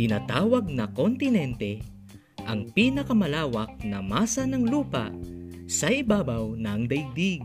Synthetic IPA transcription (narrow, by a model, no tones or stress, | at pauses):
ɪnaːt̪aːwɐɡ̚nɐkont̪ɪnɛnt̪ɛ | ʔɐŋpiːnɐkɐmɐlaːwɐk̚nɐmaːsɐnɐŋluːpɐ̰ʔsɐʔɪbaːbɐwnɐŋd̪ɐjɡ̚d̪iɡ̚